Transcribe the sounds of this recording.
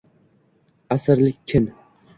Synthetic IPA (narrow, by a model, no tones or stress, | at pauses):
asɪɾlɪkʲʰːɪn